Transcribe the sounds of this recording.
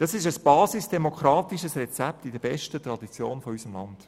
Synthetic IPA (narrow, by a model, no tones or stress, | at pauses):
d̥ɑsɪʃəsb̥ɑːsisd̥ɛmokχɾɑːtiʃəsrɛt͡sæptidəbɛʃtətrɑdit͡sjoːnfɔysəmlɑ̰nd̥